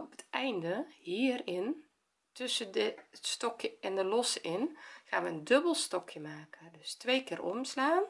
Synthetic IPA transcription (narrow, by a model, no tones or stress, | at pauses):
ɔpə̥tɛjndəhiːərɪn | tʰøsədətstɔkjəɛndəlɔsɪnxaːnʋəəndøbəlˠstɔkʰjəmaːkʰədøstʋeːkɪːrʔɔmslaːn